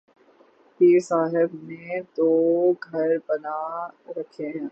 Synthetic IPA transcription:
piːɾsaːɦɪbmẽt̪oɡʱɐɾbɐnaɾɐkʰeɦɛ̃ː

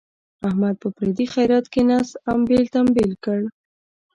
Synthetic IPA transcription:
ahmad̪̚pəpɾed̪ixajɾɑt̪kenɑsambelt̪ambelkəɽ

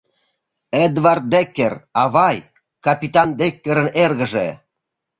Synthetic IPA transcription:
ed̪vɑrt̪̚d̪ekːerɑβɑj | kɑpʲit̪ɑnd̪ekːeɾə̆nerɣəʒe

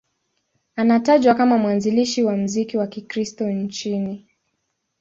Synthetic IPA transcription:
anataʄwakamamwanziliʃiwam̩zikiwakikɾistɔn̩t͡ʃini

